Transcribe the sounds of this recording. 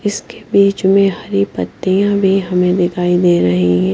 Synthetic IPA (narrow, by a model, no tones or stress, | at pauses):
ɪskebiːt͡ʃmẽɦɐɾipət̪ːijãbʱiɦɐmẽd̪ɪkʰaːid̪eːɾɐɦiɦɛ̃ː